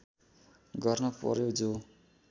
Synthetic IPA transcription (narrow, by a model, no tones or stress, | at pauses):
ɡʌrnʌpʌ̰ɾjod͡zo